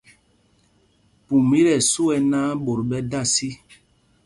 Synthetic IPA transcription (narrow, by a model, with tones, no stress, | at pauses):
pu˨mi˦ɾɛ˨su˦ɛ˦naː˦ɓo˨ɾɓɛ˦da˦˨si˦